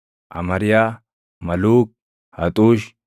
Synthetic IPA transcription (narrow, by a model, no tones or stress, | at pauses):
ʔɐ̰mɐɾɪjaː | mɐluːk̚ | hɐt̪ʼuːʃ